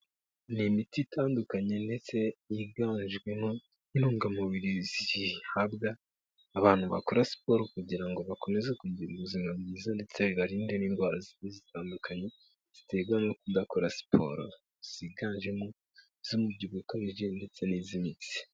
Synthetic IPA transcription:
nimititʰaːndukaɲe̞nde̞t͡se̞iɡaːɲʒɡwe̞mo | inuːŋɡamuβiɾiziihabɡaː | βaːn̥huβa̰koɾasi̥po̞ːɾokuɟiɾaŋɡo̞βako̞nezekuɲɟiɾuβuzimabɡiːzande̞t͡se̞βaɾiːndeniːnɡwaːɾazinezitaːndukʰaɲe̞ | z̥i̥te̞ɡamokundakoɾasi̥po̰ɾo̰ | z̥iɡaːnʒemo | z̥umubɟuβukaβiʒende̞t͡se̞nizimiti̥

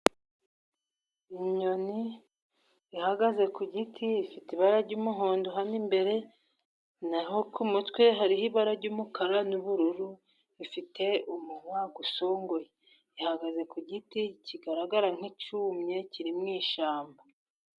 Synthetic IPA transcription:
iɲoni | ihaɡaze̞kuɟitʰiifitiβaɾaɾɟuːmuɦoːndoɦanimbe̞ɾe̞ | nahokumutwe̞ɦaɾihiβaɾaɾɟuːmukaɾanuβuɾuɾu | ifitʰe̞umuŋwaɡuso̞ːŋɡoje | ihaɡaze̞kuɟiticiɡaɾaɡaɾaŋ̥hit͡ʃuːmɲe̞ciɾimŋiːʃaːmba

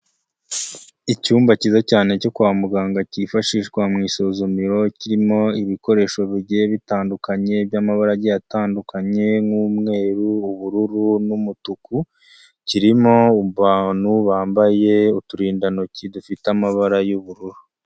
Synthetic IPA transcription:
icuːmbacizacaːne̞co̞kuamuɡaːŋɡacifaʃiːʃkwamŋiːsozumiɾo̞ciɾimo̞iβiko̞ɾe̞ːʃo̞βiɟeβitaːndukaɲe̞bjamaβaɾaɟijataːndukaɲe̞ŋuːmŋe̞ːɾuːβuɾuɾunumutuku | ciɾimo̞uβaːn̥huβaːmbaje̞utuɾiːndano̞cidufiteamaβaɾajuβuɾuɾu

